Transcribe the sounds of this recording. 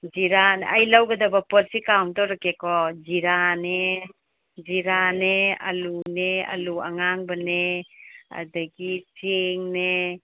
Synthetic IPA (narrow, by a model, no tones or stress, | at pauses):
d͡ʒiɾanajlawɡɐdabapɔlsikawntɔɾakekɔd͡ʒiɾane | d͡ʒiɾanea̰lunea̰lua̰ŋaŋbane | a̰daɡiseŋne